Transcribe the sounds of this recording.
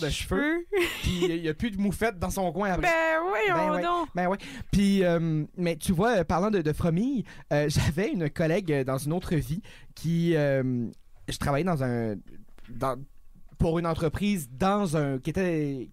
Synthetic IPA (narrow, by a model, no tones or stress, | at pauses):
d̪əʃføpiijəpyd̪əmufɛt̪̚d̪ɑ̃sɔ̃kwɛ̃apɛwiɛ̃wɛɔ̃bɛwɛpɥiœmmɛt̪yvwaøpaʁlɑ̃d̪əd̪əfχamijøʒavɛynkɔlɛɡød̪ɑ̃zynot̪χəvikʲʰiøm | ʒət̪χavajɛd̪ɑ̃zɛ̃ | d̪ɑ̃puʁynɑ̃t̪χəpχiːzd̪ɑ̃zɛ̃kʲiet̪ɛ